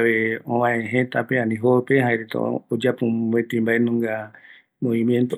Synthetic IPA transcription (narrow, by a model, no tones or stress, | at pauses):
ʋeõβãẽɦẽt̪apeãnĩɦopeɦaeɾet̪o̰od͡ʒapũbet̪ĩmbaʔenũŋɡa | mõʋimjẽnt̪o